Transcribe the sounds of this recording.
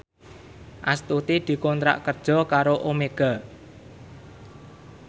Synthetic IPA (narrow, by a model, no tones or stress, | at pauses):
ʔast̪ut̪id̪̥i̤kɔnt̪ɾa̰ʔkərd̥ʒ̥ɔ̤kaɾoʔomeɡ̥a̤